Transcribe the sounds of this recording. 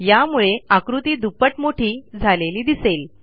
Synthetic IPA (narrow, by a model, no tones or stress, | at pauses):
jamuɭeakɾut̪iːd̪upəʈmoʈʰiːd͡zʱaleliːd̪isel